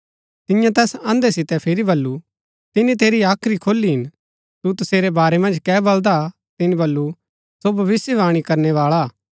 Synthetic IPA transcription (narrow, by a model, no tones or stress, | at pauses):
t̪ɪjãt̪ɛːsɐ̃nd̪esɪt̪ɛpʰɪɾibɐlːu | t̪ɪnĩt̪eːɾiaːkʰɾikʰoːlːiɦɪn | t̪ut̪ʊseːɾebaːɾɛmɐ̃nd͡ʒkɛːbɐld̪a | t̪ɪnĩbɐlːu | sobʱɐʋɪsjəʋaːɽ̃ikɐɾnɛʋaːɭaː